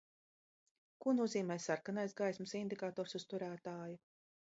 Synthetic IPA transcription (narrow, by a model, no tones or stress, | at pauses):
kuɔnuɔziːmɛːsaɾkanajsɡajsmɨsind̪ikaːt̪ɔːɾsust̪uɾæːt̪aːju